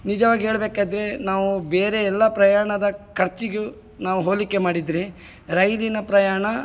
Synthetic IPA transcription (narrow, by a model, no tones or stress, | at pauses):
nid͡ʒɐʋaːɡiɦeːɭbeːkaːd̪ɾe̞naːʋubeːɾe̞ɛlːɐpɾɐjaːɐɳɐd̪ɐkʰɐɾt͡ʃiɡu | naːʋuɦoːlikːemaːɽid̪ɾe | ɾɐjlinɐpɾɐjaːɳɐ